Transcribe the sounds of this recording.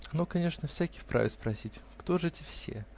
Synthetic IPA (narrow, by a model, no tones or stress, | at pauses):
ɐnokɐnʲe̞ʂnəfsʲækʲɪfpɾa̰vʲɪspɾɐsʲitʲkt̪oʐɨtʲɪfsʲe̞̰